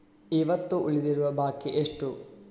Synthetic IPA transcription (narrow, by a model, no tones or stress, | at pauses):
iʋɐt̪ːuʔuɭid̪iɾuʋɐbaːkːiʔeʂʈu